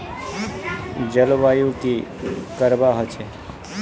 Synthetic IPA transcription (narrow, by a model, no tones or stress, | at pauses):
d͡ʒəlʋajũkikəɾʋaɦət͡ʃʰe